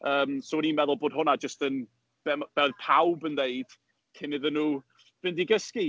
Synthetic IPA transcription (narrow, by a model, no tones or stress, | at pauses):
əːmsowɛnimɛðʊlˠboːd̥ɦʊnad͡ʒəstən | b̥ɛb̥ɛdpʰawbəndeɨd̥ | kʰɪnɪðənːuː | vɪndiɡəski